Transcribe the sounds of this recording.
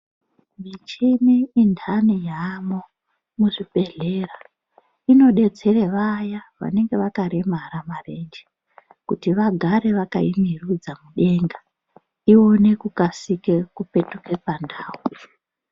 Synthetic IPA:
mit͡ʃimiːndʰʱanijamo | muʐibe̞ɮera | ino̞ɗe̞t͡se̞reʋajaʋa̰ne̞ŋɡe̞ʋakaɾemaɾamare̞nd͡ʒe̥ | kutiʋaɡʱaɾe̞ʋakaimirud͡zamuɗe̞ŋɡa | io̞ne̞kukasikekupe̞tukepandaːwu

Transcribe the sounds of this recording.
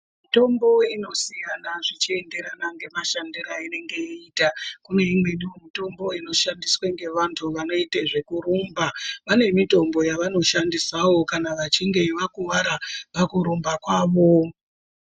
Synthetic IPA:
mito̞mbo̞ino̞sijanaʐit͡ʃie̞nde̞ɾanaŋɡe̞maʃandiɾaine̞ŋɡe̞iitakune̞imwe̞niomito̞mbo̞ino̞ʃandisweŋɡe̞ʋantʰuʋano̞iteʐe̞kuɾumbapane̞mito̞mbo̞jaʋano̞ʃandisawo̞kanaʋat͡ʃiŋɡe̞ʋakuʋaɾaʋakuɾumbakwaːʋo̞

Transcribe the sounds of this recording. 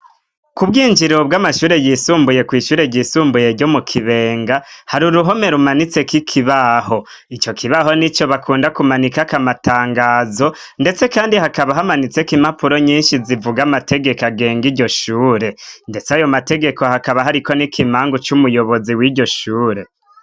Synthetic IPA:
kubɡiːɲd͡ʒiɾo̞bɡamaʃuːɾe̞jiːsuːmbuje̞kwiːʃuːɾe̞ɟiːsuːmbujeɟo̞mukʰiβe̞ːŋɡahaɾuɾuɦo̞me̞ɾumanit͡se̞kikʰiβaho̞ | it͡ʃo̞kʰiβaɦo̞nit͡ʃo̞βakʰuːndakumanikakamataːŋɡaːzo̞ | nde̞t͡se̞kaːndiɦakaβaɦamanit͡se̞kimapuɾo̞ɲiːnʃizivuɡamatʰe̞ɡe̞kaɡe̞ːŋɡiɟo̞ʃuːɾe̞nde̞t͡sajo̞mate̞ɡe̞ko̞hakaβaɦaɾiko̞nikʰimaːŋɡot͡ʃumujo̞βo̞ziwiɟo̞ʃuːɾe̞

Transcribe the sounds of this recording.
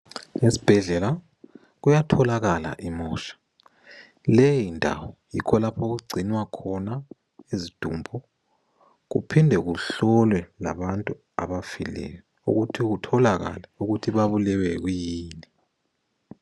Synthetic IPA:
ŋesi̥b̥ʱɛɮɛla | ɣujatʰɔlaɣala̰ʔimɔːʃḁ | lɛjindʱa̰wɔjḭkʰɔlapʰoɣuɡ͡ǀʱinwakʰɔna | ezid̥ʱumbʱɔ | ɣṵpʰindʱɛɣuɬɔlwɛla̰βantʼu | a̰βafilɛ̰jɔ | ṵɣutʰiɣutʰɔlaɣa̰lɛuɣutʰiβaβulɛwɛɣujiːni

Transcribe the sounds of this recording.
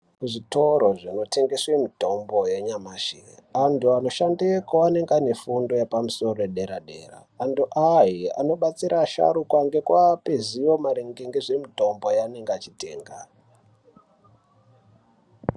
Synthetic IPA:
uʐito̞ɾo̞ʐino̞te̞ŋɡeswemito̞mbo̞je̞ɲamaʃiantuano̞ʃandekoane̞ŋɡane̞fundo̞jepamuso̞roeɗe̞ɾaɗe̞̰ːra̰ːnduʔajia̰no̞ɓat͡siɾʔaʃa̰ɾukwaŋɡe̞kwapezijo̞maɾeŋɡeŋɡeʐemito̞mbo̞jane̞ŋɡat͡ʃite̞̰ːŋɡa̰

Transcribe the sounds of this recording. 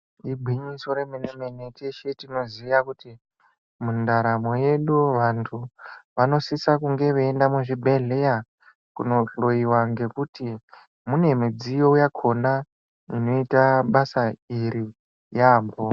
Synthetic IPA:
ibʱwiɲiso̞ɾemenemeneteʃetino̞ziʋakuti | mundaɾamo̞je̞ɗuʋantʰuʋano̞sisakuŋɡe̞ʋeːndamuʐibʱeɮe̞ja | kṵno̞ɬo̞iwaŋɡe̞kuti | mune̞mid͡zijo̞ujakʰo̞na | ino̞itaɓasaiɾi | jaːmbo

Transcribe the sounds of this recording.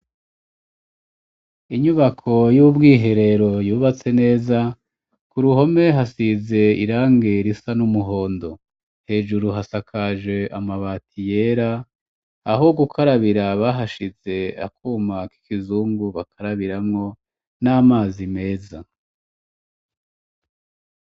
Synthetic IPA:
iɲuβakʰo̞jubɡiːɦe̞ɾe̞ɾo̞juːβat͡se̞ne̞ːza | kuɾuɦo̞me̞ɦasize̞ḭɾaːŋɡe̞ɾisanumuɦo̞ːndo̞ | he̞ːʒuɾuɦasakʰaʒwe̞ʔamaβaːtʰije̞ːɾaː | ɦo̞ɡukʰaɾaβiɾaβaːɦaʃize̞a̰kuːmaki̥kizuːŋɡuβakʰaɾaβiɾamŋo̞ | naːmaːzime̞ːza

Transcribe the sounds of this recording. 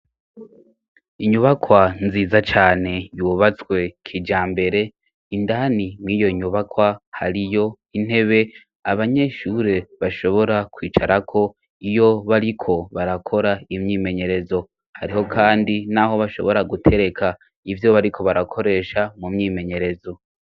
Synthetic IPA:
iɲuβakwanziːzat͡ʃaːne̞juβat͡swe̞kʰid͡ʒaːmbe̞ɾe̞ | indanimiːjo̞iɲuβakwaha̰ɾijo̞ | in̥he̞βe̞ | aβaɲe̞ʃuɾe̞βaʃo̞βo̞ɾakwiːt͡ʃaɾakʰo̞ | ijo̞βaɾikʰo̞βaɾakʰo̞ɾaimɲiːme̞ɲe̞ɾe̞zo̞ | haɾiho̞kʰaːndinaho̞βaʃo̞̰βo̞ɾaɡutʰe̞ɾe̞kʰa | ivjo̞βaɾikʰo̞βaɾakʰo̞ɾe̞ːʃamumɲiːme̞ɲe̞ɾe̞zo̞

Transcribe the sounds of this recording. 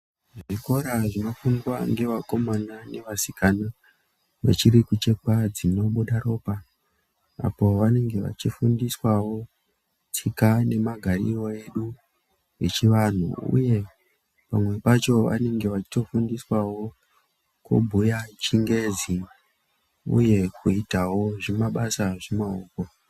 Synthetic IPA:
ʐʐiko̞ɾaʐino̞fundwaŋɡe̞ʋako̞manane̞ʋasikana | ʋe̞̰t͡ʃiɾikut͡ʃe̞kad͡zino̞ɓuɗaɾo̞ːpa | a̰po̞ʋane̞ŋɡe̞ʋa̰t͡ʃifundiswawo̞ | tʰikane̞maɡʱarḭro̞e̞ɗu | et͡ʃiʋan̤ṵṵje̞ | pamwe̞pat͡ʃo̞ʋa̰ne̞ŋɡe̞ʋat͡ʃi̥to̞fundiswawo̞ | kṵbʱujat͡ʃiŋɡe̞zi | ṵje̞kʰuitawo̞ʐimaɓasaʐemaoːko

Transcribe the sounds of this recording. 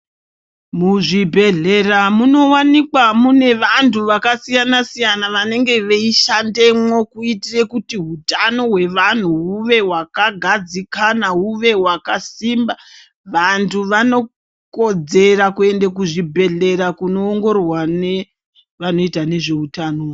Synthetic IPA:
muʐibʱe̞ɮe̞ramuno̞wanikwamune̞ʋantʰuʋakasijanasijanaʋane̞ŋɡe̞ʋeiʃande̞mwo̞kuitire̞kutiɦutano̞ɦwe̞ʋan̤uɦuʋe̞ɦwakaɡʱad͡zikanaɦuʋe̞ɦwakasimba | ʋantʰuʋano̞ | ko̞d͡ze̞ɾakue̞ndekuʐibʱe̞ɮe̞ɾakuno̞ːŋɡo̞rwane | ʋano̞itane̞ʐe̞utano

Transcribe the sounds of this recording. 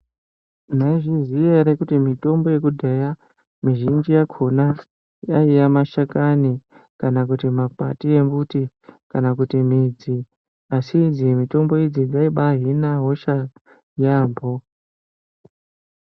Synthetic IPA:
naiʐizijeɾekutimito̞mbo̞je̞kudʱeja | miʒind͡ʒijakʰona | jaijamaʃakani | kanakutimapa̰tie̞mbuti | kanakutimid͡zi | asid͡zijemito̞mbo̞ed͡ziɡaiɓaɦinaɦo̞ʃa | jaːmbo

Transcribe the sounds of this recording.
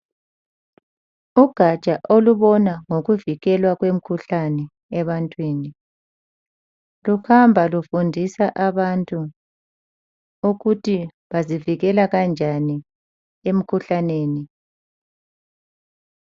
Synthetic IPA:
uɡ̥ʱḁt͡ʃʼaʔoluβɔnaŋoɣuviɣɛlwaɣwem̩kʰuɬanɛ | ɛβantʼwiːni | luhambʱalufundʱisaʔaβantʼu | uɣutʰi | βaziviɣɛlaɣand͡ʒʱani | em̩kʰuɬaneːni

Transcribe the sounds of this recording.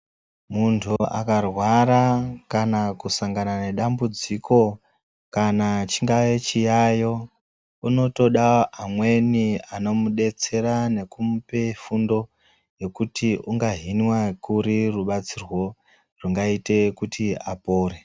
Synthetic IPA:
muntʰua̰karwaɾakanakusaŋɡanane̞ɗambud͡zikʰo̞ | kanat͡ʃiŋɡajet͡ʃijajo̞ | uno̞to̞ɗaːmwe̞niano̞muɗe̞t͡se̞ɾane̞kum̩pe̞fundo̞ | je̞kutiuŋɡaɦinwakuɾiruɓat͡sirwo̞ | ruŋɡaite̞kutʰiapoːɾe

